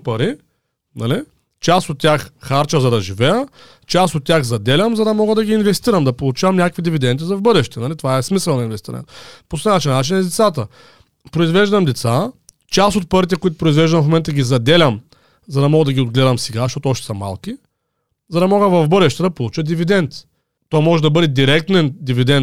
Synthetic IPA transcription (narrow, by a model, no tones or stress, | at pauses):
pɐɾi | nɐli | t͡ʃasot̪ːʲjaxxaɾt͡ʃəzɐd̪ɐʒivɛjə | t͡ʃast̪ot̪ːʲaxzɐd̪ɛlʲəmzɐd̪ɐmɔɡəd̪ɐɡʲiːnvɛst̪iɾəmd̪ɐpolˠut͡ʃavɐmnʲakəkvid̪ivid̪ɛnd̪izɐvbɤd̪ɛʃt̪ɛnɐlit̪ovaɛsmisəlˠnɐinvɛst̪ḭɾɐ̰nʲɛ̰t̪posɛnat͡ʃinnat͡ʃinizd̪ɛt̪sat̪ə | pɾoʊizvɛʒd̪ɐmd̪ɛt̪sa | t͡ʃasot̪̚pɤɾit̪ɛkʊit̪ʊ̥pɾʊizvɛʒd̪ɐmfmomɛnt̪əɡʲizɐd̪ɛlʲɐm | zɐd̪ɐmɔɡəd̪ɐɡʲiod̪ɡlɛd̪ɐmsɛɡaʃtɔt̪oɔʃt̪ɛ̥sɐma̰lˠki | zɐd̪ɐmɔɡəvɐvbɤd̪ɛʃt̪ɛd̪ɐpolˠut͡ʃəd̪ivid̪ɛnt̪ | t̪ɔjmɔʒɛd̪ɐbɤd̪ɛd̪iɾɛk̚t̪ɛnd̪ivid̪ɛnt̪